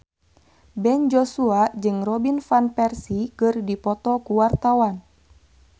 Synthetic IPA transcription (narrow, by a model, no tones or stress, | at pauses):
bɛnd͡ʒɔsuad͡ʒɨŋrɔbinfanpɛrsikɨrdipɔt̪ɔkuwart̪awan